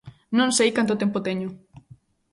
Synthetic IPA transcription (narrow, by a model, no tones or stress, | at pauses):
nõnsejkant̪ot̪ɛmpʊt̪eɲʊ